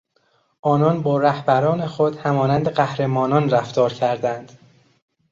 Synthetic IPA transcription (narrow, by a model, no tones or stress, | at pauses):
ʔɒːnɒːnbɒːɾæhbæɾɒːne̞xod̪̥hæmɒːnænd̪e̞ɢæhɾe̞mɒːnɒːnræft̪ɒːɾcʰæɾd̪ænd̪̥